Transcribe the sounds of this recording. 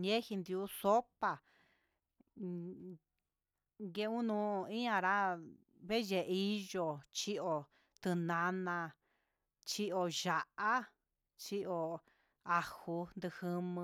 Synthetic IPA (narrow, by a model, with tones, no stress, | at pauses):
ɲẽ˦hi˧nd̪i˧u˧˦so˦pa˧˨ | ɡe˧ũ˦nũ˧˦˧ĩ˦ã˧ɾa˦ | βe˦ʒe˧i˦ʒo˧t͡ʃi˦o˧ | t̪ɨ˧nã˧nã˧ | t͡ʃi˦o˧ʒa˨ʔa˦ | t͡ʃi˦ʔo˧ | a˧hu˧nd̪ɨ˧hɨ˧mɨ̃˧